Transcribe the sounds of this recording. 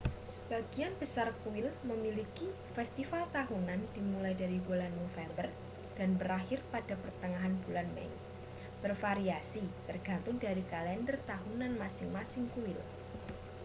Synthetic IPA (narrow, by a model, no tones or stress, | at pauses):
sə̥b̥aɡ̥ianb̥əsarkuwɪlməmiliki | fɛst̪ifalt̪aɦunand̥imulajdaɾibulanːofɛmbər | d̥anbəɾahɪrpad̥apərt̪əŋaɦanbulanmɛ̰ | b̥ərfaɾiasit̪ərɡ̥ant̪ʊŋdaɾikalɛndərt̪aɦunanmasɪŋmasɪŋkuwɪl